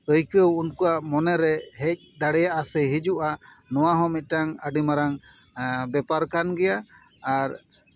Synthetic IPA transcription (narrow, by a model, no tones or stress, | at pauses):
əjkəwunkuaʔmɔnɛɾɛhɛc̚d̪aɽɛjaʔasəɦid͡ʒuʔaʔ | nɔwaɦɔmit̪̚ˀʈaŋəɖimaɾaŋ | bɛpaɾkanɡɛjaː | ɾ